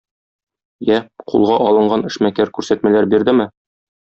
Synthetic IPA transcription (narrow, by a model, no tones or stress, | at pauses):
jæqʰṵlˠʁɑʔɒlˠɤ̆ɴɢɑnɘ̆ʃmækæɾkʉɾsæt̪mælæɾbiɾd̪ɘmɘ